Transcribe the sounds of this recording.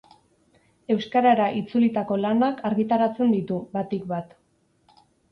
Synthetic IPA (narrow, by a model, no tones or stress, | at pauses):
e̞wskaɾaɾaʔit͡sulit̪ako̞lanakaɾɣit̪aɾat͡se̞nd̪it̪uβat̪ikβat̪